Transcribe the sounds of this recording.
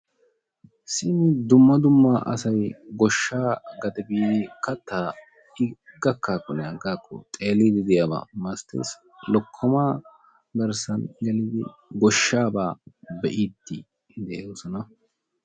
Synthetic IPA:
sɪnd̪ʊmːɐd̪ʊmːaʔɐ̰sɐjɡɔʃːaːɡɐt̪ɛbikɐt̪ːa | ɪɡɐkːaːkʼːɔnɛɐɡaːkʼːɔ̰t̪ʼe̞ːlːid̪ɪd̪ɪjaːba̰mɐst̪ḛːs | lɔkʰːɔmaː | ɡ̪ɐɾsɐnɡɛlid̪ɪ̰ɡɔʃːaːbaːbɛʔid̪ːi | d̪ɛʔoːsɔnɐ

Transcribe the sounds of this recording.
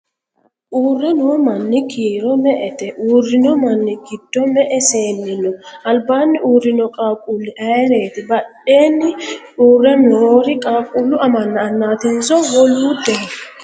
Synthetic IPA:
ʔuːrːɛnoːmɐnːɪkʰiːɾɔmɛʔɛt̪ɛʔuːrːɪnɔmɐnːɪɡɪd̪̥ːɔmɛʔɛseːnːɪnɔʔɐlbaːnːɪʔuːrːɪnɔkʼaːkʼulːɪʔɐjɾe̞ːt̪ɪbɐɗe̞ːnːɪuːrːɛnoːɾɪkʼaːkʼulːʊɐmɐnːɐːnːaːt̪ɪnzɔwɔluːd̪ɛ

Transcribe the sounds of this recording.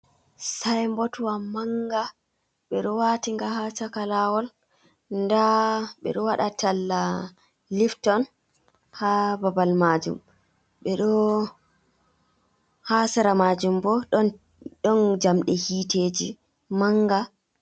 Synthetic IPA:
sajmbotuwamaŋɡa | ɓɛɗɔwatiŋɡahat͡ʃakalawɔl | ndaɓɛ̰ɗɔwaɗatʰalːa | liftɔn | hababalmad͡ʒṵm | ɓɛɗɔ | hasɛɾamad͡ʒumbɔ | ɗɔnd͡ʒamɗɛhiːteːd͡ʒi | maŋɡa

